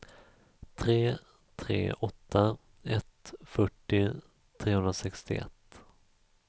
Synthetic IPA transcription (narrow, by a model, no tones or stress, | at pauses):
t̪ʰɾeː | t̪ʰɾḛːɔt̪ʰːa | ɛt̪fœʈːɪ | t̪ʰɾeːhɵnɾasɛkst̪ɪ̰ɛ̰t̪ː